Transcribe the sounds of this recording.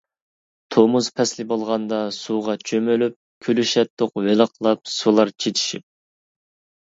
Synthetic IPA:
t̪ʰomuzpʰɛslɪbolˠʁɑnd̪ɑsuʁɑt͡ʃʰømølyp̚ | kʲʰølyʃɛt̪ːoqvelˠəqlˠɑp̚sulˠɑɾt͡ʃʰet͡ʃ̪ʰi̥ʃip̚

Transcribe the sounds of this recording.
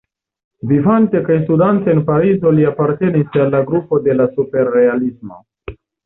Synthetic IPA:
vivante̞kajstudanteːnpaɾizo̞liapaɾte̞nisalːaɡɾupo̞de̞lasupe̞ɾːe̞alismo̞̰

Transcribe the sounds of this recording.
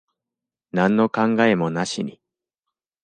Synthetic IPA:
nãnːo̞kãŋɡae̞mo̞naɕiɲ̟i

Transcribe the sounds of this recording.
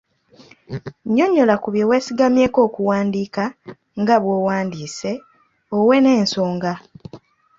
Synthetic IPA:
ɲːo̞ɲːo̞lakuβjowe̞ːsiɡamje̞ːko̞ːkuwaːndiːka | ŋɡaβwo̞ːwaːndiːse̞ | owe̞ne̞ːnso̞ːŋɡa

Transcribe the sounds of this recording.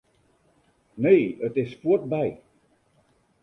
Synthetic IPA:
neːətɪsfuət̚bɛj

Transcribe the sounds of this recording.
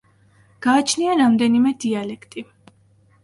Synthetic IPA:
ɡ̥aːt͡ʃʰniaɾamd̪ɛnimɛd̪ialɛkʰt̪ʼi

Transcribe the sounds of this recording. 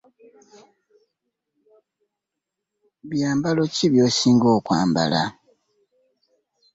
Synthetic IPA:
βjaːmbalo̞ciβjo̞ːsiːŋɡoːkwa̰ːmba̰la̰

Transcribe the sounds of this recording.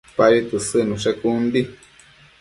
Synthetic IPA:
paɾit̪ɨsɨnũʂɛkund̪i

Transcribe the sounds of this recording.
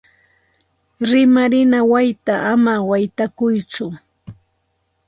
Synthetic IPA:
ɾɪmaɾɪnawajt̪aʔamawajt̪akʊjt͡sʊ

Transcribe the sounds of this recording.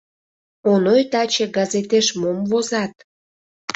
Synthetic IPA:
onojt̪ɑt͡ɕeɡɑzet̪eʃmomvozɑt̪̚

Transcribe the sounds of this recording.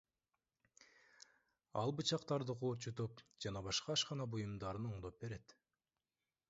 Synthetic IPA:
ɑlˠbɯt͡ʃɑqt̪ɑɾd̪ɯqʰuːɾt͡ʃut̪upd͡ʒɑnɑβɑʃqɑːʃqɑnɑbujumd̪ɑɾɯnoɴd̪op̚be̞ɾe̞t̪

